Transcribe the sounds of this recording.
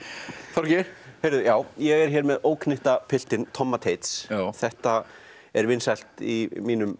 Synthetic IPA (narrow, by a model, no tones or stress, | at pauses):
θɔɾcɪheːjɾðʏjaːwjɛɣɛɾ̥çɛːɾmɛðoːwkʰnɪht̪apʰɪl̥t̪ɪnt̪ʰɔmːat̪ʰejt̪sθɛht̪a | ɛɾvɪnsal̥t̪imiːnʏm